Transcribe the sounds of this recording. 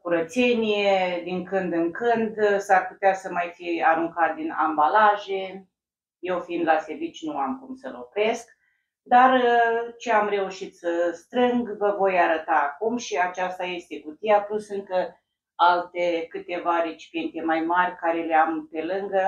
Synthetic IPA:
kuɾət̪se̞nijed̪iŋkɨnd̪ɨŋkɨnd̪sarput̪easəmajfiaɾuŋkat̪̚d̪ina̰mbalaʒe̞ | je̞wfind̪lase̞rvit͡ʃʲnuamkumsəlo̞kɾe̞sk | d̪art͡ʃeamre̞uʃit̪səst̪ɾɨŋɡvəvo̞jaɾət̪aːkumʃiat͡ʃast̪aje̞st̪e̞kut̪ijaplusɨŋkə | alt̪e̞kɨt̪e̞vaɾe̞t͡ʃi̥pije̞nt̪e̞majmarʲkaɾe̞leampe̞lɨŋɡə

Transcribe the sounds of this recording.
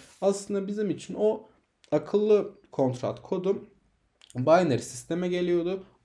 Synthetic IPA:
aslˠɯnd̪abizimit͡ʃʰino̞ | akʰɯlˠːɯ | kʰo̞nt̪ɾa̰t̪kʰo̞d̪um | bajneɾsist̪ʰe̞mɛɟe̞lʲijo̞d̪ʊ

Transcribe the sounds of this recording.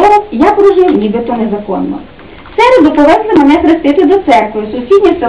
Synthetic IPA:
ɔʊjapɾɔʒʊjʊnʲibɪt̪ɔnezɐkɔ̰nːɔ̰ | sɛɾed̪ʊpɔʋɛslˠɪmenɛkɾest̪ɪt̪ɪd̪ɔt̪sɛrkʋɪjʊsʊsʲidʲnʲisɪ

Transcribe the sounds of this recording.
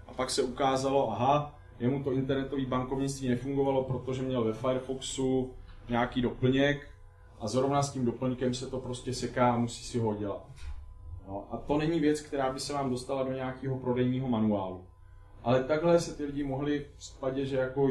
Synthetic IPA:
ʔapaksɛukaːzalo̞ʔaɦa | jɛmut̪oɪnt̪ɛɾnɛt̪o̞viːbaŋko̞vɲɪt͡st̪viːnɛfuŋɡo̞valo̞pɾo̞t̪o̞ʒɛmɲɛlvɛfajɛɾfoksuɲaːkiːdo̞pl̩ɲɛk | ʔazɾo̞vnascimdo̞pl̩ɲkɛmsɛt̪o̞pɾo̞scɛsɛkaːamusi̥ːsɪɦoɟɛla̰t̪̚ | jo̞ʔat̪o̞nɛɲɪvjɛt͡skt̪ɛɾaːbɪsɛvaːmdo̞st̪alado̞ɲɛakiːɦo̞pɾo̞dɛjniːɦo̞manuaːlu | ʔalɛt̪aɡɦlɛsɛt̪ɪlɪɟɪmo̞ɦlɪspaɟɪd̪ʒɛjako

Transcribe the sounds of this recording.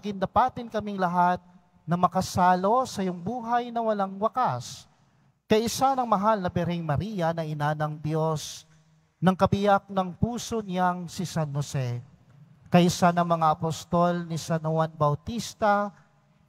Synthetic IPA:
ɡɪnd̪ɐpaːt̪ɪnkɐmɪŋlɐɦat̪̚ | nɐmɐkɐsaːlo̞sɐjʊŋbuːɦɐjnɐwɐlaŋwɐkas | kɐjʔɪsanɐŋmɐɦalnɐbɛɾɛŋmɐɾiːjɐnɐʔɪnanɐŋd̪jo̞s | nɐŋkɐbɪjak̚nɐŋpuːso̞naŋsisanhosɛ | kɐʔɪsanɐŋmɐŋaʔɐpost̪olnisɐnowanbɐwt̪ist̪ɐ

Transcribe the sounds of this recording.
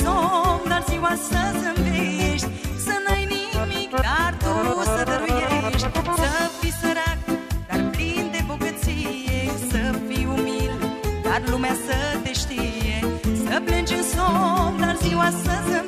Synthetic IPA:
somd̪arziwasəmveʃt̪ʲsənajnimikd̪ard̪usəd̪əɾujeʃt̪ʲsəfisəɾak̚d̪̥arplind̪eboɡət̪sijesəfiumild̪arlumeasət̪eʃt̪ijesəplɨnd͡ʒeɨsomd̪arziwasə

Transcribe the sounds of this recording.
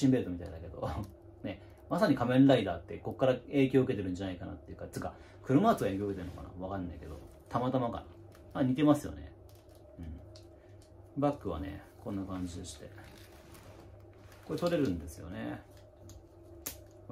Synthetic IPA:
ɕĩmbe̞ɾɯ̟t̪omit̪aid̪ake̞d̪o̞̰ | ne̞ | masaɲ̟ikamẽ̞nɾaid̪aːt̪ːe̞ko̞kːaɾae̞ːkʲo̞ːɯke̞t̪eɾɯ̟̃ɲ̟d͡ʑanaikana̰t̪ːe̞jɯ̟kat͡sɨka | kɯ̟ɾɯ̟maːt͡sɨaeːkʲoɯket̪eɾɯ̟no̞kana̰βakanːaike̞d̪o̞̰ | t̪ʰamat̪amaka̰ɾa | maɲ̟it̪e̞masɨjo̞̰ne̞̰ | ɯ̟̃ɴ | bakːɯ̟βa̰nḛkʰõ̞nːakãɲ̟d͡ʑid̪e̞ɕi̥t̪e̞ | ko̞ɾet̪o̞ɾe̞ɾɯ̟̃nd̪e̞sɨjo̞̰ne

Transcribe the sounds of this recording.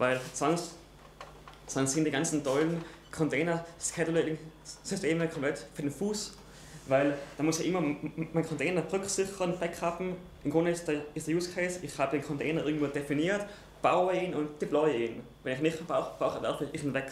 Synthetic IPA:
vaɪlt͡svaŋs | t͡svaŋsɪndiːɡant͡sn̩tɔlən̩ | kʰɔntʰeːnɐskʰɛtəlɛŋsysteːməkʰɔ̃mplɛtfyːɐdenfuːs | vaɪld̥aːmʊsjaːʔɪmɐmaɪnkʰɔntʰeːnɐʁʏksɪçəʁənfɛkχafm̩ | ʔɪmɡ̥ʁʊndəɪsd̥ɪstd̥eɐjuːskʰeɪsɪxhaːbədeːnkʰɔntʰeːnɐʔɪɐɡŋ̩tv̥ʋoːdefiniːɐt | b̥aʊəiːnʊnt̚d̥iplɔʏəiːn | vɛnɪçnɪχb̥ʁaʊxʁaʊxəvɛ̰ɐfɪçɪχnvɛk

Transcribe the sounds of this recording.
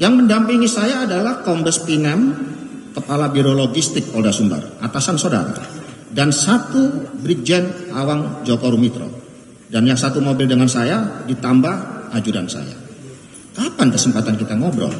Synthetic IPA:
jaŋməndampiŋisajaːdalahkɔmbəspinɛm | kəpalabiɾoloɡist̪ɪk̚pɔldasumbə̰rat̪asansoda̰ɾa̰ | dansat̪ubɾid͡ʒɛnawaŋd͡ʒokɔɾumit̪ɾo̰ | danjaŋsat̪umobɪldəŋansajadit̪ambahad͡ʒuɾansa̰ja̰ | kapankəsəmpat̪ankit̪aŋɔbɾɔ̰

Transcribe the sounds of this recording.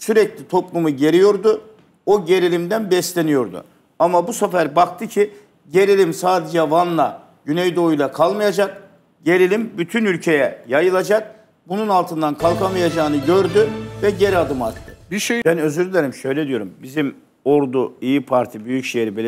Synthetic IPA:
syɾɛclʲit̪ʰo̞plˠumuɟe̞ɾijo̞ɾd̪ʊ | oɟe̞ɾilʲimd̪ænbɛst̪lʲe̞nijo̞ɾd̪ṵ | amabusafæɾbak̚t̪ʰɯcʰi | ɟe̞ɾilʲimsaːd̪e̞d͡ʒɛvanlˠa | ɟynɛjd̪o̞ujlˠakʰalˠmajad͡ʒak̚ | ɟe̞ɾilʲimbyt̪ʰynylʲcʰe̞jɛjajɯlˠad͡ʒak̚ | bununalˠt̪ʰɯnd̪ankʰalˠkʰamajad͡ʒaːnɯɟø̞ɾd̪yvɛɟe̞ɾad̪ɯmaɾt̪ʰːɯ̥iʃebænø̞zyɾlʲeɾimʃø̞jlʲɛd̪ijo̞ɾumbizim | o̞ɾd̪uijipʰaɾt̪ʰibyjycʃejiɾibelʲ

